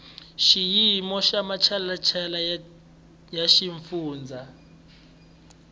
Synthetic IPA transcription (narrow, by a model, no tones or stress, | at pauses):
ʃijimɔʃamat͡ʃʰallat͡ʃʰɛla | jaʃiɱfuːnd͡zʱa